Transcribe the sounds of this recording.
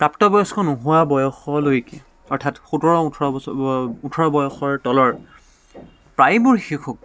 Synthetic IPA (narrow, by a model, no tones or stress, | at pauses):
kɹaptɔbɔjɔskʰɔnuɦʊwabɔjɔxɔlojkɛ | ɔɹtʰatxutɔɹɔutʰɔɔ | utʰɔɹɔbɔjɔxɔɹtɔlɔɹ | pɹajbʊɹxixʰuk̚